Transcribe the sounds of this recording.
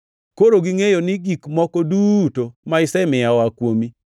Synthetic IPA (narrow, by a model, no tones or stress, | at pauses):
koɾoɡiŋejonɪɡikmɔkodutomaɪsɛmɪjawakwomi